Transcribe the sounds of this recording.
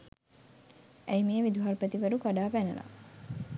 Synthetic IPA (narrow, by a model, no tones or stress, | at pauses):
ʔæjmeːʋid̪uɦarpət̪iʋəɾukaɖaːpænə̰la̰